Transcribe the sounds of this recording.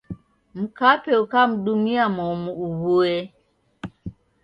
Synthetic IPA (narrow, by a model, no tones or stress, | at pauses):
m̩kapɛukam̩dumiamɔmuuɣoɛ